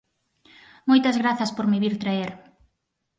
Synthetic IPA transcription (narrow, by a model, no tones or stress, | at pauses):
mojt̪ɐzɣɾaθɐspoɾmiβiɾt̪ɾaeɾ